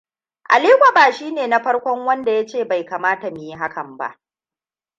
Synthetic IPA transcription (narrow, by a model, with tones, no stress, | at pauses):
ʔa̰˨liː˦kʷa˨baː˨ʃiː˦neː˨na˦ɸɐ˦ɽkʷɔ˦ŋwɐ˦nda˨ja˦t͡ʃeː˦˨ba˨jkaː˨maː˦ta˨mi˨ji˦ɦa˦kʰɐ˨mba̰˦ʔ